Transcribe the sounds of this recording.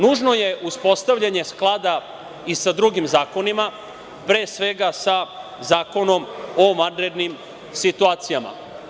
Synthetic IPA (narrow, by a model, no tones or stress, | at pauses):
nuːʒno̞je̞ʔuspo̞st̪avʎaɲe̞sklˠad̪a | isad̪ɾuɡimzaːko̞nima | pɾe̞ːsʋe̞ɡasa | zaːko̞no̞momandɾed̪nim | sit̪uaːt̪sijama̰